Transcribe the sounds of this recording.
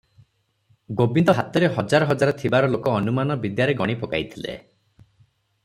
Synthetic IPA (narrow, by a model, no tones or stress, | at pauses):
ɡobind̪ɔɦat̪ɔɾeɦɔd͡ʒaɾɔɦɔd͡ʒaɾɔt̪ʰibaɾɔlokɔːnumanɔbid̪jaɾeɡɔɽ̃ipɔka̰jt̪ʰilḛ